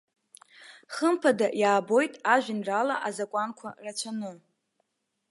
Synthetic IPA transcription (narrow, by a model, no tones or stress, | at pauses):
χəmpʰadajaːbo̞jtʼaʒʷᶣɪnralaʔazakʷʼankʷʰarat͡ɕʷʰanɨ